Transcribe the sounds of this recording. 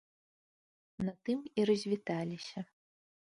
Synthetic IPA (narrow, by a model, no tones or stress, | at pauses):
nɐt̪ɨmiɾɐzʲvʲit̪alʲisʲɐ